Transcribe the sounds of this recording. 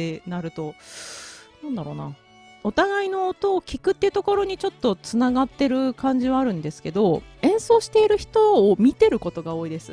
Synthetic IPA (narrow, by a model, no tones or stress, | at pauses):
enaɾɯ̟t̪o̞ | nãnd̪aɾo̞̰ːna̰ | o̞t̪aɡaino̞ːt̪o̞ːkʲikɯ̟t̪ːe̟t̪o̞ko̞ɾo̞ɲ̟it͡ɕo̞t̪ːo̞t͡sɨnaɡat̪ːe̞ɾɯ̟kãɲ̟d͡ʑiβaːɾɯ̟̃nd̪e̞sɨ̥ke̞d̪o̞ẽ̞ɰ̃so̞ːɕi̥t̪e̞iɾɯ̟çi̥t̪o̞ːmʲit̪e̞ɾɯ̟ko̞t̪o̞ɡao̞ːid̪e̞sɨ̰